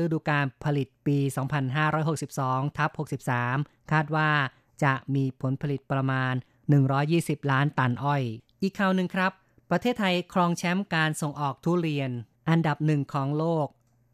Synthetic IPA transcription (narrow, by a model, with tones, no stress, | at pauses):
ɯ˥˩duː˧kaː˧npʰa˧li˨˩t̪̚piː˧sɔː˩˦ŋpʰa˧nɦaː˥˩ɾɔː˦˥jɦo˨˩k̚si˨˩p̚sɔː˩˦ŋt̪ʰa˦˥p̚ho˨˩k̚si˨˩p̚saː˩˦m | kʰaː˥˩t̪̚waː˥˩ | t͡ɕa˨˩ʔmiː˧pʰo˩˦npʰa˧li˨˩t̪̚pɾa˧maː˧nː | ɯ˨˩ŋɾɔː˦˥jːiː˥˩si˨˩p̚laː˦˥nt̪a˨˩nʔɔ˨˩jʔiː˨˩kʰːaː˨˩wnɯ˨˩ŋkʰɾa˦˥pː | ɾa˧t̪ʰeː˥˩t̪ʰːa˧jkʰɾɔː˧ŋt͡ɕʰɛ˦˥mkaː˧nso˨˩ŋʔɔː˨˩k̚t̪ʰuː˦˥˩ɾi˧ən | ʔa˧nda˨˩p̚nɯ˨˩ŋkʰɔː˩˦ŋloː˥˩k̚